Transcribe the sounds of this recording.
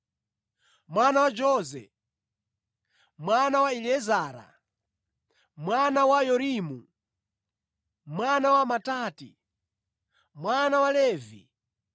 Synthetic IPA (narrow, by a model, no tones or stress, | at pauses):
mwanawad͡ʒɔːzɛ̰ | mwanawailɛzaːɾa̰ | mwanawajɔɾimu | mwanawamataːti | mwanawalɛːvḭ